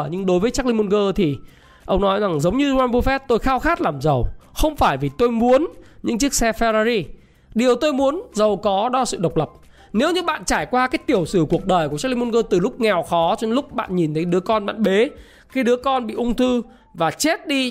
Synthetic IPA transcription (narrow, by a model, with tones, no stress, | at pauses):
ɲɨ˧ŋɗo˨˦jvəː˨˦jt͡ɕaː˦˥k̚li˧mu˧nɣəː˧t̪ʰi˨˩ | ʔə˧wŋ͡mnɔ˨˦jza˨˩ŋzə˨˦wŋ͡mɲɨ˧waː˧nvfɛ˦˥t̚t̪o˧jxaː˧wxaː˦˥t̚laː˨˩mzə˨˩wxə˧wŋ͡mfaː˧˩jvi˨˩t̪o˧jmu˨˦ənɲɨ̰˧˥ŋt͡ɕi˦˥ək̚sɛ˧fɛ˧zaː˧zi˧ | ɗi˨˩əwt̪o˧jmu˨˦ənzə˨˩wkɔ˨˦ɗɔ˧˨sɨ̰˧˨ɗə˨˩wk͡p̚lə˨˩p̚ | ne˨˦wɲɨ̰˧˥ɓa̰ː˧˨nt͡ɕaː˧˩jkwaː˧kaː˨˦jt̪i˧˩əwsɨ˧˩ku˨˩ək̚ɗəː˨˩jku˧˩t͡ɕa˦˥kli˧mu˧nɣəː˧t̪ɨ˨˩lʊ˦˥k͡p̚ŋɛ˨˩wxɔ˨˦t͡ɕɔ˧nlʊ˦˥k͡p̚ɓa̰ː˧˨nɲi˨˩nt̪ʰə˨˦jɗɨ˨˦əkɔ˧nɓa̰ː˧˨nɓe˨˦ | kaː˨˦jɗɨ˨˦əkɔ˧nɓḭ˧˨ʔʊ˧ŋ͡mt̪ʰɨ˧ | vaː˨˩t͡ɕe˦˥t̚ɗi˧